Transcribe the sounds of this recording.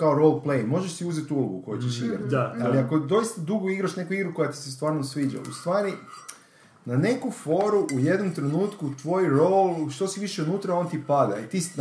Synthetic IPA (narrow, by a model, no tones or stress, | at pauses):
kaoɾolˠplejmo̞ʒeʃsiuːzet̪uloɡuko̞jut͡ʃeʃiɡɾa̰t̪aliakod̪o̞ist̪ad̪uɡoiɡɾaʃne̞kuiɡɾuko̞jat̪i̥sest̪ʋaːɾnosʋiːd͡ʒa̰ust̪ʋaːɾi | nane̞kufo̞ɾuʔuje̞d̪nomt̪ɾe̞nuːt̪kut̪ʋojɾolˠʃt̪o̞siʋiʃeunuːt̪ɾao̞nt̪ipad̪a̰it̪is